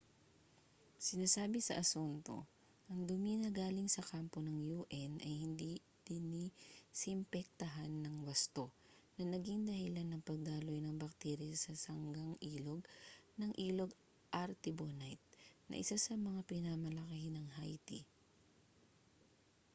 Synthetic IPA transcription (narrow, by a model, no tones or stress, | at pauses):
sɪnaːsaːbɪsɐ̰ʔɐsunt̪o̞̰ | ʔɐŋd̪ʊminɐɡaːlɪŋsɐkampo̞nɐŋjuːʔɛnʔɐjhɪnd̪i | d̪̥ɪnisɪmpɛk̚t̪ɐɦanːɐŋwɐst̪o̞ | nɐnɐɡɪŋd̪ɐhɪlanːɐŋpɐɡ̚d̪aːlojnɐŋbɐk̚t̪ɛːɾjɐsɐsɐŋɡaŋʔiːloɡ̚nɐŋʔiːloɡ | ʔɐɾt̪ɪbonajt̪̚nʔɐ̰ʔɪsasɐmɐŋapɪnamɐlɐkɐhɪnɐŋhajt̪ḭ